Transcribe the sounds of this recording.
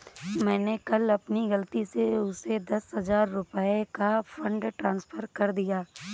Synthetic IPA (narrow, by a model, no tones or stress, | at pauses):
mɛ̃ːnekɐlɐpniɣɐlt̪iseʊsed̪ɐsɦɐzaːɾːʊpəekafʰɐ̃ɳɖʈɾãːnsfʰəɾkɐɾd̪ijaː